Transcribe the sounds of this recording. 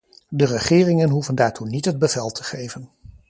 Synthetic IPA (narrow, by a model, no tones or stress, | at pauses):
dərəχɪːrɪŋənɦuvəndaːɹtunitɦəd̚bəvɛlˠtʰə̥χejvən